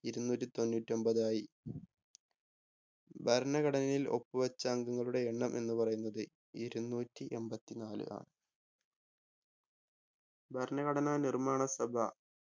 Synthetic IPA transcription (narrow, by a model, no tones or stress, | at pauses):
iɾunːuːtːit̪o̞nːuːtːio̞mbɐðaːji | bʱɐɾnɐɣɐɽɐnɐilo̞̰pːɨʋɐt͡ɕːɐːŋɡɐŋːɐɭuɽe̞eɳːɐmʔe̞̰nːupɐrɐjunːɐðɨ | iɾunːuːtːiʔe̞mbɐt̪ːinaːlɨ̰ʔa̰ːɳɨ | bʱɐɾnɐɣɐɽɐnanirmaːɳɐsɐbʱɐ